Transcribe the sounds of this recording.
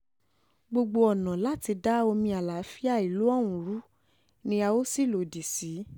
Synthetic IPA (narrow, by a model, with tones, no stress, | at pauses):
ɡ͡bo˧ɡ͡bo˧ɔ˨nã˨la˦ti˧da˦o˧mĩ˧a˨la˨˦fi˦a˦˨i˨lu˨˦ɔ˦˨w̃ũ˨ɾu˨˦ | nĩ˦a˧o˦si˦˨lo˨di˨si˨˦